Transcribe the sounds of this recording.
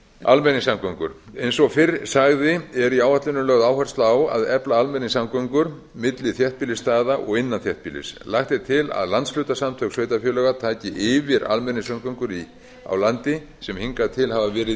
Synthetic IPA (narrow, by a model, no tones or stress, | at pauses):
a̰lmɛnɪŋsamkʰœŋkʏ̰ɾ̥ejnsɔɣfɪrsaɣðɪɛɾiaːwat̪lʏnʏlœːɣðaːwhar̥st̪laːwa̰ðɛplaalmɛniŋsamkœŋkʏɾ | mɪt̪lɪθjɛht̪pilɪst̪aːðaʔɔ̰ɣɪnːanθjɛht̪̚pilɪ̰slaxt̪ɛɾ̥t̪ʰɪla̰ðlant̪sflʏɥt̪asamt̪ʰœksvœːɥt̪afjœːlœːɣat̪ʰaːcɪʔɪvɪɾa̰lmɛnɪŋsamkʰœŋkʏɾi | a̰wlant̪ɪ | sɛmhiŋkat̪ʰɪlhavavɛːɾɪ